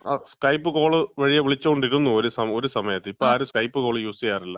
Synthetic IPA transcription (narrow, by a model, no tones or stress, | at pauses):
aːskɐjpːɨko̞ːɭɨʋɐɻijɐʋiɭit͡ɕːɐoɳɖiɾunːuoɾusɐmo̞ɾusɐmɐjɐt̪ːeipːoːɭaːɾuskɐjpːɨko̞ːɭɨjuːsejaːrilːɐ